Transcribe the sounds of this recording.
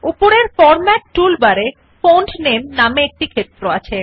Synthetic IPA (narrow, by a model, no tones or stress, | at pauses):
upoɾeɾfɔɾmɛʈʈulbaɾe | foɳʈnemnameek̚ʈikʰet̪ːɾoat͡ɕʰe